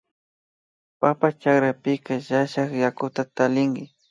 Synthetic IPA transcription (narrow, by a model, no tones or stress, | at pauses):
papat͡ʃakɾapɪkaʒaʃaχjakʊt̪at̪alɪŋɡɪ